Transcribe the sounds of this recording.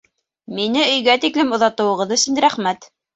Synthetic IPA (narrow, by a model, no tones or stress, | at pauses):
minɘɵ̆jɡæt̪iklɘmŏðɑt̪ɤ̆wɤ̆ʁɤðɵ̆sɵ̆nɾæχmæt̪